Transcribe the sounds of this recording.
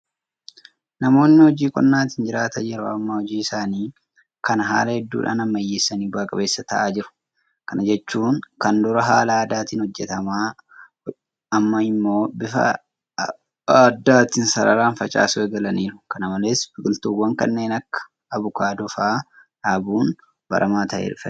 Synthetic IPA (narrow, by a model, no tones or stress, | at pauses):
nɐmo̞ːnːɪhɔd͡ʒiːkʼɔ̰nːaːt̪ɪnd͡ʒɪɾaːt̪ɐjɛɾoːɐmːɐhɔd͡ʒiːɪsaːniː | kɐnɦa̰ːlɐhɛd̪ːṵːᶑa̰ːnɐmːɐjːeːsːɐniːbaːkʼɐbe̞ːsːɐt̪ɐʔaːd͡ʒɪɾʊ̥ | kɐnɐd͡ʒɛt͡ʃːuːŋkɐnd̪ʊɾɐɦaːlaːd̪aːt̪inhɔd͡ʒːɛt̪ɐmaː | ɐmːɐɪmːo̞ːbɪfɐ̰ | ɐd̪ːaːt̪ɪnsɐɾɐ̰ɾaːnfɐt͡ʃʼa̰ːsʊɛɡɐlɐniːɾʊ̥kɐnɐmɐle̞ːsbɪkʼɪlt̪uːwːɐŋkɐnːe̞ːnɐkːɐ̥ː | βʊkaːd̪ɔfaː | ᶑaːbuːn | bɐ̰ɾʔɐmaːt̪ɐʔḛːʊfɐ